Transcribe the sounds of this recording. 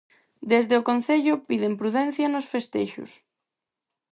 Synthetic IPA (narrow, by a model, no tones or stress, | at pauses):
d̪ezðeʊkon̟θeʎʊpiðempɾuðɛn̟θjɐnosfest̪eʃʊ̰s